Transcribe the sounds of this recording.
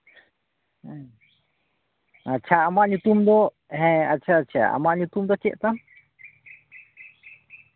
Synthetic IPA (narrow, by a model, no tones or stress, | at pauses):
at͡ʃʰaamãɲũt̪umd̪ɔ | ɦɛ̃at͡ʃʰat͡ʃʰa̰a̰mãɲũt̪ũmd̪ɔt͡ʃɛ̰ʔt̪ãm